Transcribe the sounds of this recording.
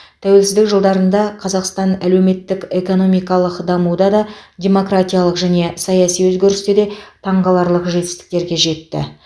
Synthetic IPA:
t̪ʰæwe̞lsɪzd̪ɪkʒəlˠd̪ɑɾənd̪ɑqʰɑzɑqst̪ɑnæle̞wme̞t̪ːɪke̞ko̞no̞mijkɑlˠəqd̪ɑmud̪ɑd̪ɑdʲe̞mo̞kɾat̪ʲijalˠəqʒæne̞sɑjɑsijwɵzɡʲe̞ɾɪst̪ed̪e̞t̪ʰɑɴʁɑlˠɑɾlˠəqʒe̞t̪ɪ̥st̪ɪ̥k̚t̪e̞ɾɡʲe̞ʒe̞t̪ːɪ̰

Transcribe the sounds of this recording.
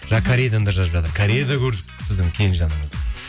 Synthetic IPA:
ʒ̥ɑkʰaɾiejd̪and̪ɑʒɑzbʒɑt̪əɾkʰaɾijed̪akʲʰɵɾd̪ɪksɪzd̪ɪmkʲʰe̞jɪnʒɑnəɴəzd̪ə

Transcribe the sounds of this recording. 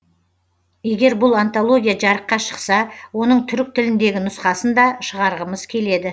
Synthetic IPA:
je̞ɡʲe̞ɾbʊlˠant̪o̞lˠo̞ɡʲijaʒɑɾəqːɑʃə̥qsɑwo̞nəɴt̪ʰʏɾɪk̚t̪ʰɪlɪnd̪e̞ɡʲɪnʊsqɑsənd̪ɑʃəʁɑɾʁəməz̥kʲʰe̞le̞d̪ɪ

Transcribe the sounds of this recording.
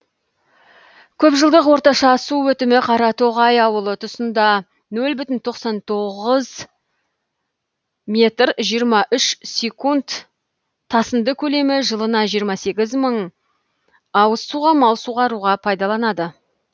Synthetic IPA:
kʲʰɵpʒəlˠd̪əqwo̞ɾt̪ɑʃɑsuwɵt̪ɪmɪqʰɑɾɑt̪oʁɑjɑwəlˠət̪ʰʊsənd̪ɑ | nɵlbʏt̪ɪnt̪ʰo̞qsɑnt̪ʰo̞ʁəz | me̞t̪rʒijəɾmɑʔʏʃsʲe̞kunt̪ʰː | ɑsənd̪əkʲʰɵle̞mɪʒəlˠənɑʒijəɾmɑse̞ɡʲɪzməɴ | ɑwəsːuʁɑmɑlˠsuʁɑɾuʁɑpʰɑjd̪ɑlˠɑnɑd̪ə

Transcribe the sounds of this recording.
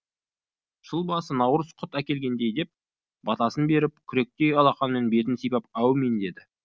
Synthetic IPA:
ʒ̥əlˠbɑsənɑwɾəsqʰʊt̪ækʲe̞lɡʲe̞nd̪e̞jd̪e̞p̚ | b̥ɑt̪ɑsənbe̞ɾɪp̚kʲʰʏɾe̞k̚t̪e̞jɑlˠɑqɑnmenbe̞t̪ɪnsijpɑpɑwmend̪e̞d̪ɪ

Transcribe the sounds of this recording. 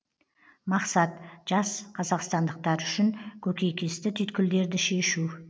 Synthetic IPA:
mɑqsɑt̪ʒ̥ɑsqʰɑzɑqst̪ɑnd̪əq̚t̪ɑɾʏʃɪŋkʲʰɵkʲe̞jkʲʰest̪ɪt̪ʰʏjt̪kʲɪld̪e̞ɾd̪ɪʃe̞ʃu

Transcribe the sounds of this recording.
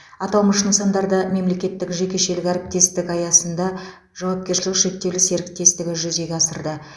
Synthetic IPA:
ɑt̪ɑw̪məʃənəsɑnd̪ɑɾd̪əme̞mle̞kʲe̞t̪ːɪkʒe̞kʲe̞ʃe̞lɪkʲæɾɪp̚t̪e̞st̪ɪkɑjɑsənd̪ɑ | ʒ̥ɑwɑp̚kʲeɾʃɪlɪkʒe̞k̚t̪ːe̞wlɪse̞ɾɪk̚t̪e̞st̪ɪɡʲɪʒʏze̞ɡʲeɑsəɾd̪ə

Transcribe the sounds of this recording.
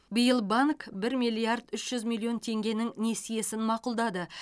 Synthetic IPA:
bɪjəlˠbaŋkbɪɾmʲijlʲˠijard̪ʏʃʒ̥ʏzmʲilʲːˠio̞nt̪ʰe̞ŋɡʲe̞nɪŋne̞sije̞sɪnmɑqʊlˠd̪ɑd̪ə

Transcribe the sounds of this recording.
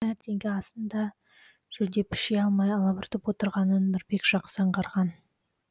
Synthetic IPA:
æɾt̪ʰe̞ŋɡʲɪɑsənd̪ɑ | ʒ̥ɵld̪e̞pʰɪ̥ʃejɑlˠmɑjɑlˠɑbɪɾt̪ɪpwo̞t̪əɾʁɑnənːʊɾbe̞kʒ̥ɑqsɑɴqɑɾʁɑn

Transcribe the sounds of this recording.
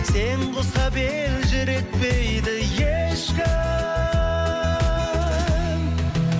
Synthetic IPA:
seɴqʊsɑbelʒʏɾe̞k̚pejd̪ɪjeʃkʲɪ | m

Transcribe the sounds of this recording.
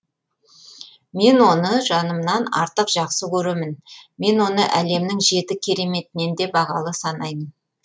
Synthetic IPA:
me̞nwo̞nəʒɑnəmnɑnɑ̰ɾt̪əqʒ̥ɑqsəkʲʰɵɾemɪnme̞nwo̞nəʔæle̞mnɪŋʒe̞t̪ɪkʲʰe̞ɾe̞me̞t̪ɪne̞nd̪e̞bɑʁɑlˠəsɑnɑjmən

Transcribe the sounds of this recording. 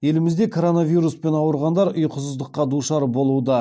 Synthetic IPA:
je̞lɪmɪzd̪e̞kʰo̞ɾo̞navʲijɾuspe̞nɑwəɾʁɑnd̪ɑɾʊjqʰʊsəzd̪əqːɑd̪uʃɑɾbo̞lˠud̪ə

